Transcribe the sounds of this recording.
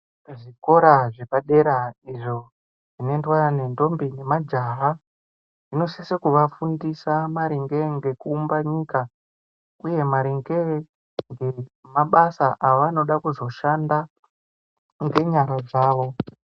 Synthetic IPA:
ʐiko̞ɾaʐepaɗe̞ɾaiʐo̞ | ʐinendwane̞nto̞mbine̞mad͡ʒaɦa | ʐino̞sesekuʋafundisamaɾiŋɡe̞ŋɡe̞kuːmbaɲiːka | uje̞maɾiŋɡe | ŋɡemaɓasaʔaʋano̞ɗakuzo̞ʃanda | ŋɡe̞ɲaɾad͡zaːʋo̞

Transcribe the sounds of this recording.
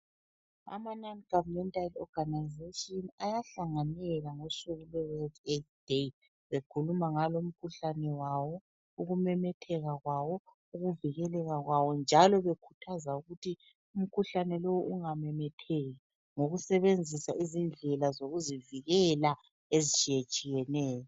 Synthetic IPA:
a̰mananɡ̥avmɛntʼalɔ̰ɡ̥ʱanaizeʃʼiɔnajaɬaŋanɛɣaŋosuɣulɛzwɛtʰʼet̚d̥e | βekʰulumaŋalɔum̩kʰuɬanɛwawɔ | uɣumɛmɛtʰɛɣaɣwawɔ | uɣuviɣɛlɛɣaɣwawɔnd͡ʒʱalɔβekʰu̥tʰazauɣutʰi | um̩kʰuɬanɛlowuʔuŋamɛmɛtʰɛɣi | ŋoɣusɛβend͡zʱisaʔizind͡ɮʱɛlazoɣuziviɣɛla | ezit͡ʃʼijet͡ʃʼijɛnɛːjɔ

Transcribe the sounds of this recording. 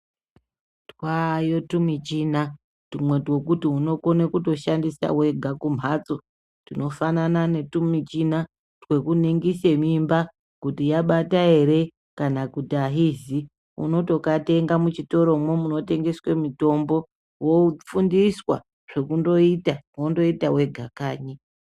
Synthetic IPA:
twajotumit͡ʃina | tumwe̞two̞kutiuno̞ko̞nekuto̞ʃandisa̰we̞ɡʱakum̤aːt͡so | tino̞fananane̞tumit͡ʃina | twe̞kuniŋɡise̞mimba | kutijaɓatae̞ɾe̞ | kanakutiaɦizi | ṵno̞to̞kate̞ŋɡamut͡ʃito̞ɾo̞mwemuno̞te̞ŋɡe̞swe̞mito̞mbo̞ | wofundiswa̰ | ʐ̥e̞kundo̞itawondo̞itawe̞ɡʱakaːɲi

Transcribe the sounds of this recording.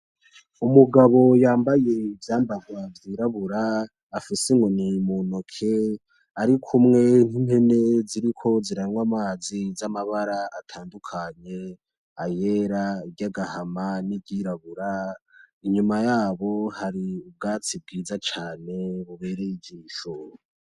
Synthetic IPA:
umuɡaβo̞jaːmbaje̞ivjaːmbaɡwavjiːɾaβuɾaː | fisiŋɡonimono̞kʰe̞ | aɾikʰumŋe̞n̥im̥he̞ne̞ziɾikʰo̞ziɾanŋwamaːzizamaβaɾaatʰaːndukʰaɲe̞ | aje̞ɾaiɟaɡahamanibɟiɾaβuɾa | iɲumajaːβo̞haɾiub̚ɡaːt͡sib̚ɡiːzat͡ʃaːne̞βuβe̞ːɾejiɟiːʃo

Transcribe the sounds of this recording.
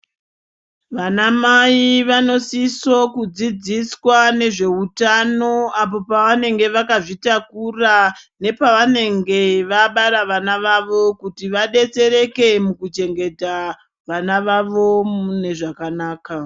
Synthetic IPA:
ʋanamaiʋano̞siso̞kud͡zid͡ziswane̞ʐe̞utano̞apo̞paʋane̞ŋɡe̞ʋakaʐitakurane̞paʋane̞ŋɡe̞ʋaɓaɾaʋanaʋaʋo̞kutiʋaɗe̞t͡se̞ɾe̞ke̞mukut͡ʃe̞ŋɡe̞ta | ʋanaʋaʋo̞une̞ʐakanaːka

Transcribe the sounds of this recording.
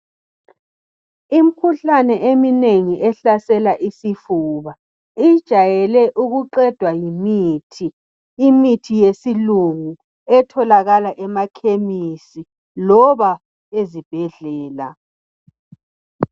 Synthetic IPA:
im̩kʰuɬanɛʔemineŋiʔɛɬasɛlaʔisifuːβa | id̥ʒ̥ʱajɛlɛʔuɣuǃɛd̥ʱwajimiːtʰiː | mitʰijesiluŋu | ɛtʰɔlaɣalaʔɛmakʰemisi | lɔβa | ezib̥ʱɛɮɛːla̰

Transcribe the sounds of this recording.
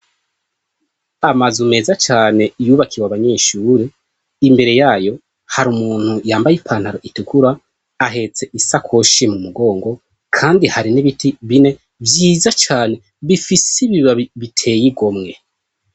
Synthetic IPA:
amazume̞ːzat͡ʃaːne̞juːβakiwaβaɲe̞ʃuːɾe | imbe̞ɾe̞jaːjo̞ | haɾumuːn̥hujaːmbajipʰaːn̥haɾo̞ʔitukuɾa | aɦe̞t͡se̞ʔisakʰo̞ʃimumuɡo̞ːŋɡo̞ | kʰaːndihaɾiniβitiβine̞ | vjiːzat͡ʃaːne̞ | βifisiβiβaiβitʰe̞ːjiɡo̞mŋe̞

